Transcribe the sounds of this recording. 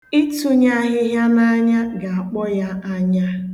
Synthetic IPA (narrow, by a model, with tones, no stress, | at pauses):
i˦tu˨ɲa˦ɦɪ˦ɦja˦na˦ɲa˦ɡa˨a˨k͡pɔ˦ja˦a˦ɲa˦